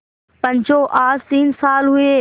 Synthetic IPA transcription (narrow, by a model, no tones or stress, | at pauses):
pɐ̃ɲd͡ʑoːʔaːzt̪iːnsaːlɦʊeː